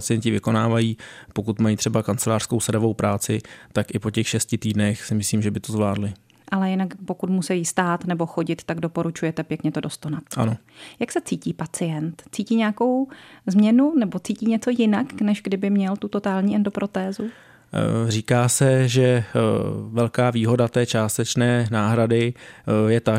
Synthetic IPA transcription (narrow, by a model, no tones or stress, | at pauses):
at͡sɪjɛɲcɪvɪko̞naːvajiːpo̞kut̪majiːt̪r̥ɛbakant͡sɛlaːr̥skowsadovo̞wpɾaːt͡sɪt̪akʔɪpo̞cɛxʃɛscɪt̪iːdnɛxsɪmɪsliːmʒɛbɪt̪ozvlaːdlɪ | ʔalɛjɪnakpo̞kut̪musɛjist̪aːt̪nɛbo̞xo̞ɟɪt̪t̪ːaɡdo̞po̞ɾut͡ʃujɛt̪ɛpjɛkɲɛt̪o̞do̞st̪onat̪ʔa̰no̞ | jaksɛt͡siːciːpat͡sɪjɛnt̪t͡siːciːɲɛako̞wzmɲɛnunɛbo̞t͡siːciːɲɛt͡so̞jɪnaknɛʒɡdɪbɪmɲɛlt̪ut̪o̞t̪aːlɲiːʔɛndopɾo̞t̪ɛːzu | riːkaːsɛʒɛ | vɛlkaːviːɦo̞dat̪ɛːt͡ʃaːst̪ɛt͡ʃnɛːnaːɦɾadɪjɛt̪a